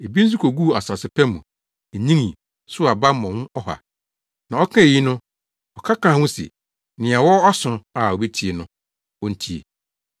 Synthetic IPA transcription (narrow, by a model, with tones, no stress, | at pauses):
e˨bi˦n˦s̬i˦kʰo˨ɡu˦˨a˨sa˨sɪ˨˦pʰɛ˦mũ˨ | e˨ɲĩ˦ŋĩ˨ | sʊ˦a˨ba˦mɔ̃˨ŋʊ̃˦ɔ˦ha̰˨ | nã˨ɔ˦kʰã˦e˨ji˦nʊ̃˦ | ɔ˨kʰa˦kãː˨˦hʊ̃˦sɛ̰˨ | nɪ̃˨a˨wɔ˦ɔ˦sʊ̃˨a˨o˨be˦tʰi˨e˨nʊ̃˦ | wɔ˦n̩˦tʰi˦ḛ˨